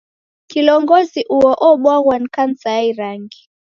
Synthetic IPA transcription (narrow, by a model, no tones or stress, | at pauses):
kilɔŋɡɔziʔuɔʔɔɓwaɣwankansaaiɾaŋɡi